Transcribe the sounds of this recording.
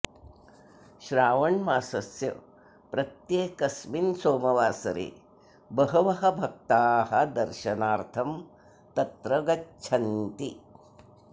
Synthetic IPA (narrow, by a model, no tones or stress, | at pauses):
ʃɾaːʋɐɳmaːsɐsjɐ̰ | pɾɐt̪jeːkɐsminsoːmɐʋaːsɐ̰ɾḛː | bɐɦɐʋɐɦɐbʱɐk̚t̪aːɦɐd̪ɐɾʃɐnaːɾt̪ʰɐm | t̪ɐt̪ɾɐɡɐt͡ʃʰɐnt̪i